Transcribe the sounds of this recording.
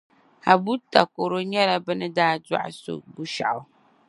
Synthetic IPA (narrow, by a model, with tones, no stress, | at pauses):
ha˨bu˦ta˨ko˨ɾo˦ɲɛ˦la˦bɨ˦nɨ˦daː˦dwa̰˦ʔso̰˦˨bu˦ʃa̰˨ʔʊ˨